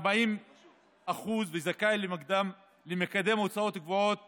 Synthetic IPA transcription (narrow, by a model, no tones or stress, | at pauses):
baim | aχuzvezakajlemaɡd̪am | lemekad̪e̞mot͡sao̞t̪aɡvoo̞t̪̚